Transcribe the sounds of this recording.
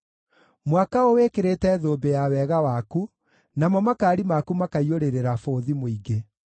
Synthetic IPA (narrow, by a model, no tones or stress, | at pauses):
mwakaowekeɾetɛðoːbejawɛɣawaku | namɔmakaːɾimakumakaioɾeɾeɾafoːðimoiɡe